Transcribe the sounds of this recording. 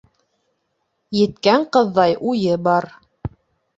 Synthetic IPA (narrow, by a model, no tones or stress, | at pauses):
jɘ̆t̪kæɴqɤ̆ðːɑjʔujɘbɑɾ